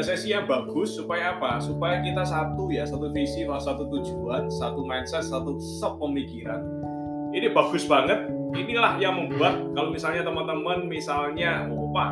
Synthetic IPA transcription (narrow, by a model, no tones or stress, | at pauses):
sajasiabaɡʊsːupajaːpasupajakit̪asat̪ujasat̪ufisimasat̪ut̪u̥d͡ʒuansat̪umajnsɛt̪̚sat̪u | səpːəmikiɾa̰n | inibaɡ̥ʊsbaŋət̪̚inilahjaŋməmbuahkalomisalɲat̪əmənt̪əmənmisalɲaopa